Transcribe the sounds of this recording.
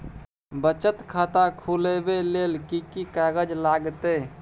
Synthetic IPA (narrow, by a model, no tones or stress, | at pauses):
bət͡ʃət̪kʰat̪akʰulebelelkikikaɡəd͡ʒlaɡt̪e